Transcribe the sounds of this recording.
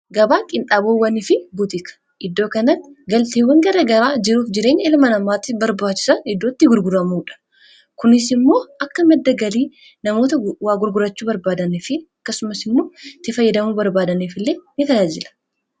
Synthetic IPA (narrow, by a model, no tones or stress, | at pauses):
ɡɐbaːkʼɪnt̪ʼaːboːwːɐnɪfɪbʊt̪ɪkɐ̥ | ʔɪd̪ːoːkɐnɐtɡɐlt̪eːwɐŋɡɐɾɐɡɐɾaːd͡ʒɪɾuːfd͡ʒɪɾe̞ːɲːɪlmɐnɐmaːt̪ːɪbɐɾbaːt͡ʃːɪ̥sɐɪd̪ːo̞ːt̪ːɪɡʊɾɡʊɾɐmuːᶑɐ̥ | kʊnɪsɪmːo̞ːʔɐkːɐmɛd̪ːɐɡɐliː | nɐmo̞ːt̪ɐwaːɡʊɾɡʊɾɐt͡ʃːuːbɐɾbaːd̪ɐnɪfɪɐkːɐsʊmɐsɪmːo̞ːt̪ːɪfɐjːɐd̪ɐmuːbɐɾbaːd̪ɐneːfɪlːeːnɪt̪ɐjaːd͡ʒɪlɐ̥